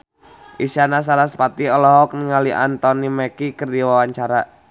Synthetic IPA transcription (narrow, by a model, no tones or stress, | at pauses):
ʔisanas̬aɾasə̥pat̪iɔlɔɦɔk̚niŋaliʔa̰nt̪ɔnimekikərdiwawaɲt͡ʃaɾa